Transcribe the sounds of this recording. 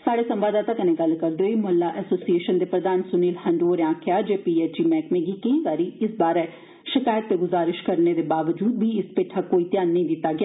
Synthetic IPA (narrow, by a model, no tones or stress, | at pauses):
saːɽeːsə̃mʋaːd̪aːt̪ãkənẽːɡəlkəɾd̪eoːiːmʊɦəlːaːʔɛːsoːsieːʃənd̪eːpɾəd̪aːnsʊniːlhə̃ɳɖoːɾjãːkʰjaːd͡ʒeːpiːeːd͡ʒiːmɛ̃ːkmẽːɡiːkə̃ĩːɡaːɾiːɪsbaːɾɛ | ʃɪkaːjət̪̚ːeːɡʊzaːɾɪʃkəɾneːd̪eːbaːʋəd͡ʒuːd̪biːɪspeːʈʰaːkoːiːt̪jaːnːəĩːd̪ɪt̪ːaːɡɪjaː